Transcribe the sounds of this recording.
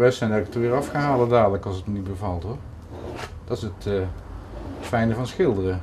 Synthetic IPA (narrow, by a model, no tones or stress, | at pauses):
ʋɛsɛjndɛkətəʋɪːɹɑfχəɦaːlədaːdələkɑlˠsətmənit̚bəvɑlˠtɦoɹ | d̥ɑtɪsətə | tfɛjnəvɑnsxɪlˠdərə